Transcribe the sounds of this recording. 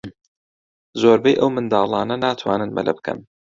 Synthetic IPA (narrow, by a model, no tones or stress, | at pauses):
zoːɾbejʔɐwmɨnd̪aːlˠɑːnɐnaːt̪ʰwaːnɨnmɐ̰lʔɐ̰bɨkʰɐ̰n